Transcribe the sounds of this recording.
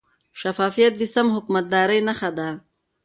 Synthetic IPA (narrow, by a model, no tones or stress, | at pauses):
ʃafɑːfijat̪̚d̪isamɦʊkmat̪̚d̪ɑːɾəjnaxad̪a